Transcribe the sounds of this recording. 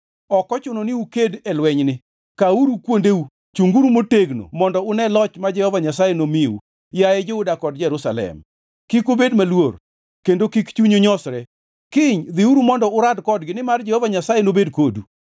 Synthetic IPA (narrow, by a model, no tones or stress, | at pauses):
ɔkɔt͡ʃʊnonɪukedɛlwɛɲnɪ | kauɾukwondeu | t͡ʃuŋɡuɾumoteɡno̰mɔndɔʊnɛlɔt͡ʃmad͡ʒɛhɔvaɲasajenomiṵ | jajɛd͡ʒeudakɔdd͡ʒɛɾusalɛ̰m | kikobedmalwor | kendokikt͡ʃuɲoɲɔsɾɛ | kɪɲd̪ɪuɾumɔndɔʊɾadkɔdɡɪnɪmard͡ʒɛhɔvaɲasajenobedkodṵ